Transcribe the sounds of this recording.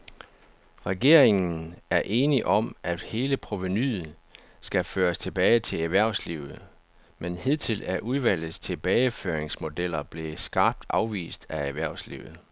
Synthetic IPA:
ʁɛɡ̥e̝̰ɐ̰e̝ŋn̩æɐʔe̝ːniʔɒ̽mʔæd̥he̝ːləpʰʁo̝ʋenyð̩ˠ | sɡ̥æføːɐst͡sʰe̝b̥ɛːɪt͡sʰe̝æʋæɐ̰ʊslḭʊð̩ˠ | menheð̰ˠt͡sʰe̝læɐʔuðˠʋæl̰ð̩ˠst͡sʰe̝b̥ɛːɪføːɐeŋsmo̝d̥el̰ɐb̥le̝sɡ̥ɑ̈ːb̥̚d̥ɑ̈ʊʋḭːsd̥ææʋæɐ̰ʊslḭʊð̞̩ˠ

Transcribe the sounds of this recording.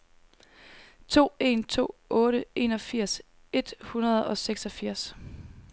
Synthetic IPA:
t͡sʰo̝̰ːe̝̰nt͡sʰo̝̰ːɔ̽ːɾəe̝ːnɒ̽fiɐ̰s | e̝d̥hunɐð̩ˠɒ̽seɡ̥sɒ̽fiɐ̰s

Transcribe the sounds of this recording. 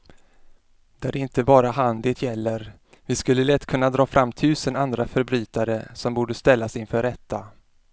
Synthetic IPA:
d̪̥ɛæɖɛɪnt̪əbɑːɾaɦand̪ɪːt̪ʰjɛlːəɾ | vɪskɵlːəlɛt̪ːkʰɵnːad̪ɾɑːfɾʔamːt̪ʰʉ̟ːsənand̪ɾafœɾbɾyːt̪aɾəsɔmbuːɖəst̪ɛlːasɪnfœːɾɛt̪ʰːa

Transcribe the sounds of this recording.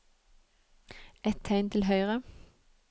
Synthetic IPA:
ɛt̪ʰæɪnt̪ʰɪl̩ɦœʏʁə

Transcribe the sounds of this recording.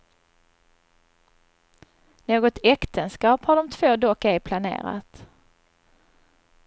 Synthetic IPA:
noːɡɔt̪ɛkt̪ʰənskɑːphaɖɔmt̪ʰvoːd̪ɔkːæpʰlanḛːɾa̰t̪

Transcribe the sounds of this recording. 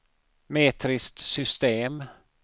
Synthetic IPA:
meːt̪ʰɾɪst̪sʏst̪eːm

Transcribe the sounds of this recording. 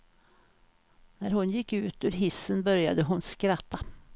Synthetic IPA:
næɾɦʊnjɪkːʉ̟ːt̪ʉɾɦɪsːənbœɾja̰d̪əɦʊnskɾat̪ːa

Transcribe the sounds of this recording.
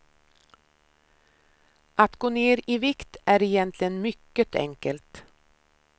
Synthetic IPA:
ʔat̪ɡoːneːɾiːvɪkt̪æːɾɪjɛnt̪ʰlɪənmʏkːət̪ʰɛ̰ŋkəlt̪

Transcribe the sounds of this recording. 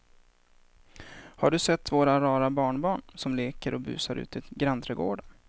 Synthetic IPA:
haɖɵsɛt̪ːvoːɾaɾɑːɾabɑːɳbɑːɳsɔmleːkəɾʔɔbʉ̟̰ːsaɾʉ̟ːt̪ɪɡɾant̪ʰɾɛɡo̰ːɖa

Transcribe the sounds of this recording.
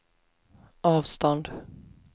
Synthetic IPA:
ɑːvst̪ɔnd̪

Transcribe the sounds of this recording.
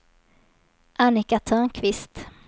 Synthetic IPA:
ʔanɪkat̪ʰœːnkʰvɪst̪

